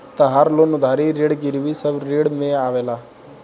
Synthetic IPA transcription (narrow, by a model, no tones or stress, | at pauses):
t̪əɦaɾloːnʊd̪ʱaːɾiɾeːɽɡɪɾʋisəbɾeːɽmẽaːʋeːlaː